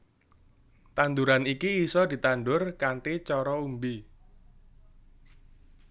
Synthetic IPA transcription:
t̪and̪uɾanikiːsɔd̪̥i̤t̪anɖʊrkaɳʈit͡ʃɔɾɔumbi

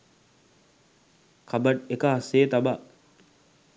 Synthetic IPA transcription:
kʰɐbɐʈekəɦɐseːt̪ɐbɐ

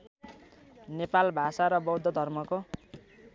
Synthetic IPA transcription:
nepalbʱasaɾʌbʌwd̪ʱːʌd̪ʱʌrmʌko

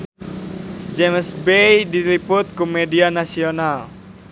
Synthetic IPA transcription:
d͡ʒemsbejdilipʊt̪̚komedianasional

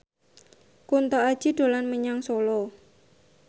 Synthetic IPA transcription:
kunt̪ɔad̥ʒ̥iɖ̥o̤lanməɲaŋsolɔ

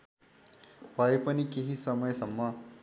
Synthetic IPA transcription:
pɐjpɐnikiɦisɐmɐjəsɐmːɐ

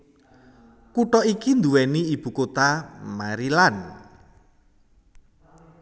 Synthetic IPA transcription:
kuʈɔikind̪uwɛniːb̥ṳkot̪amaɾilan

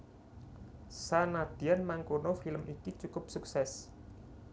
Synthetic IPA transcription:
sanad̪̥ianmaŋkonofiləmikit͡ʃukʊp̚suksɛs

